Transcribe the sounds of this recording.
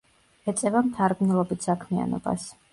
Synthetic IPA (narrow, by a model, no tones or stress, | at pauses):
ɛt̪sʼɛvamt̪ʰaɾɡnɛlˠɔbit̪ʰsakʰmia̰nɔ̰ba̰s